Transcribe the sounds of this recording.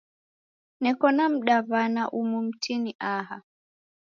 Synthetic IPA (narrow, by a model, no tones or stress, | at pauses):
nɛkɔnam̩ɗaβanaʔumum̩tʰiniʔaha